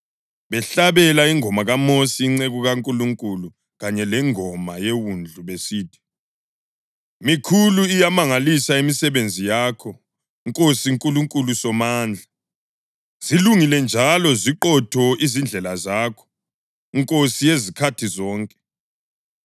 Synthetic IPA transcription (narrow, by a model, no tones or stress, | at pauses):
βɛɬaβɛlaiŋʱɔmaɣamosiːŋ͡ǀeɣuɣaŋkʼuluŋkʼulu | ɣaɲɛlɛŋɔmajewund͡ɮʱuβesiːtʰi̥ | mikʰuluijamaŋalisaimisɛβend͡zʱijaːkʰɔ | iŋkʼosiŋkʼuluŋkʼulusɔmaːnd͡ɮʱa | z̥iluŋilɛnd͡ʒʱalɔziǃɔtʰɔizind͡ɮʱɛlazaːkʰɔ̥ | iŋkʼosijezikʰatʰizɔːŋkʼɛ̥